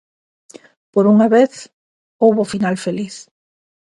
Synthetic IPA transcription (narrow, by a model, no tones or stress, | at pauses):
poɾuŋaβeθ | owβofinalfeliθ